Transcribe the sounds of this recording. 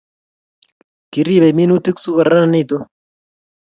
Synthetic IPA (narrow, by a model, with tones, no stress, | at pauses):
ki˨ɾi˦˨βe˨mi˦nu˦t̪i˦ksu˦ka˨ɾa˦na˨ni˦˨t̪o˦